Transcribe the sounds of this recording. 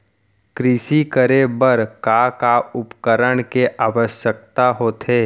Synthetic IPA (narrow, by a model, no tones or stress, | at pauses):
kɾiʃikəɾebəɾkakaʊpkəɾəɽ̃keʔaːʋəʃjək̚t̪aɦoːt̪ʰeː